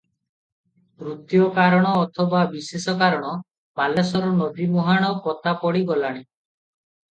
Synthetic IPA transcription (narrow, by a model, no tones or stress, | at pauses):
ɾut̪jɔkaɾɔɽ̃ɔːt̪ʰɔbabisesɔkaɾɔɽ̃ɔ | malasɔɾɔnɔd̪imɔɦaɽ̃ɔkɔt̪apɔɽiɡɔlaɽ̃i